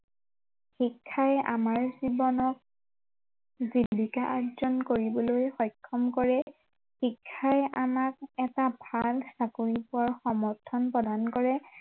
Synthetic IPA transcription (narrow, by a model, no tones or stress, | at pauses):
xikʰːajɛʔamaɹzibɔnɔk̚ | zilikaʔazɔnkoɹibɔlojxɔjkʰːɔmkɔɹɛ | xikʰːajʔamak̚ɛtabʱalsakoɹipʊwaɹxɔmɔɹtʰːɔnpɹɔdankɔɹɛ